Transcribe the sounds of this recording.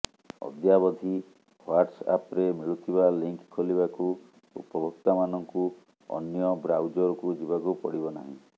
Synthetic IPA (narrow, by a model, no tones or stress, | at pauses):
ɔ̰d̪jabɔd̪ʱi | hwaɾʈsa̰pɾemiɭut̪ʰiβaliŋkkʰːoliβaku | ṵpɔbɔk̚t̪amanɔŋku | ɔ̰njɔbɾawd͡ʒɔɾɔkud͡ʒibakupɔ̰ɽibɔna̰ɦḭ̃